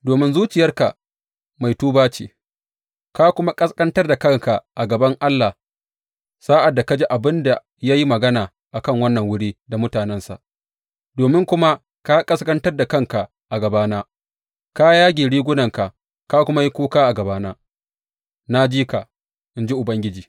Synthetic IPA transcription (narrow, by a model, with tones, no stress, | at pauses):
doː˨mɪ˦nzuː˦t͡ʃɪ˨jɐ˦rka˨ | ma˨jtuː˦baː˦t͡ʃḭː˨ | ka˦kʷʊ˦ma˦kʼɐ˦skʼɐ˦ntɐ˦rda˨kɐ˦˨ŋka˨ʔa˨ɡɐ˨bɐ˦ŋʔa˦lːa˨ | saː˦ʔa˨dːa˨ka˦d͡ʒi˦ʔa˨bɪ˦nda˨ | ja˦ji˦mɐ˨ɡɐ˦naː˨ | ʔa˨kɐ˦ŋwɐ˦nːɐ˨ŋwʊ˦ɽiː˦da˨mʊ˦taː˨nɛ˦nsa̰˨ʔ | doː˨mɪ˦ŋkʷʊ˦ma˦ | ka˦kʼɐ˦skʼɐ˦ntɐ˦rda˨kɐ˦ŋka˨ | ʔa˨ɡɐ˨baː˦naː˦ | ka˦jaː˦ɡʲiː˨ɽiː˦ɡʷʊ˦nɐ˨ŋka˨ | kaː˦kʷʊ˦ma˦ji˦kʷuː˦kaː˦ʔa˨ɡɐ˨baː˦naː˦ | na˦d͡ʒiː˦ka˨ | ʔɪ˦nd͡ʒi˦ʔʊ˨bɐ˦ŋɡʲɪ˦d͡ʒiː˨